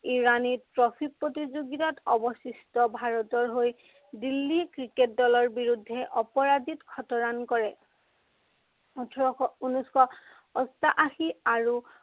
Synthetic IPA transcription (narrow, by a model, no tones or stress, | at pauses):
iɹanipɹɔfʰit̚pɹotizoɡitatɔbɔsistɔbʱaɹɔtɔɹɦoj | dilːikɹiket̚dɔlɔɹbiɹudʱːɛʔɔpɔɹazitɡʰʱɔtɔɹankɔɹɛ | utʰɔɔɔunuskɔ | ɔstaʔaxiaɹu